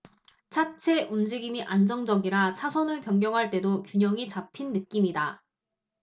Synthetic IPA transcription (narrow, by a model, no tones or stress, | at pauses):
t͡ɕʰat͡ɕʰe̞ʔund͡ʑiɡimiʔand͡ʑʌŋd͡ʑʌɡiɾat͡ɕʰasʰʌnɯɭpjʌŋɡjʌŋɦaɭt͈e̞dokjuɲʌŋit͡ɕapʰinːɯk̚k͈imida